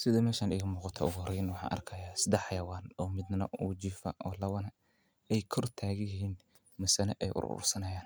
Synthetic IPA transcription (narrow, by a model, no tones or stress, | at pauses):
sɪðɐmɛːʃaːniːɣɐmuːqɑt̪ʰɐ̰ʊɣʊhɔrɛjnɐwɑħɑ̰ːnʔɐ̰rkʰɐjaːsɪd̪ɐħɑjɐwaːnɔːmɪd̪nɐ̰uːt͡ʃiːfɐ̰ʔɔːlɐwɐnɐ | ɛjkʰɔrt̪ʰaːɣɪjɪɦiːn | mɐsɐnɛʔɛjʔʊ̰ɾʊ̰ɾʊ̰rsɐnɐjaːn